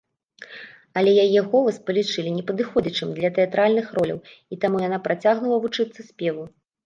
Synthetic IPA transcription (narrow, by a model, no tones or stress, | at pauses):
ɐlʲɛjajɛɣɔlˠɐspɐlʲit͡ʂɨlʲinʲɛpɐd̪ɨxɔd͡zʲɐt͡ʂɨmd̪lʲɐt̪ɛat̪ɾalʲnɨxɾɔlʲɐ̰wit̪amujan̪apɾʔat͡sʲaɣnulˠɐvut͡ʂɨt̪sːɐsʲpʲɛvu